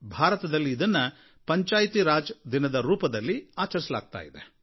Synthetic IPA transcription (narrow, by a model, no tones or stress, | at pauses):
bʱaːɾɐt̪ɐd̪ɐlːiːd̪ɐnːɐ | pɐɲt͡ʃaːjt̪iɾaːd͡ʒd̪inɐd̪ɐɾuːpɐd̪ɐlːiaːt͡ʃɐɾisɐla̰ːɡ̚t̪a̰ːjid̪e